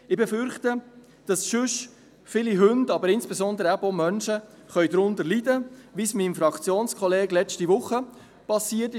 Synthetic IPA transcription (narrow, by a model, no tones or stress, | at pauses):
ɪbɛfʏɾχtə | d̥ɑsʃʏʃ | fɪliɦɵndɑbəɾɪnsb̥ɛsɔndəɾəæbomœnʃə | χœʏɥdɾʊndəlidəʋismimfɾɑkt͡sjoːnskʰɔleːɡ̥lɛt͡stiʋʊχːə | pɑsiːtɪ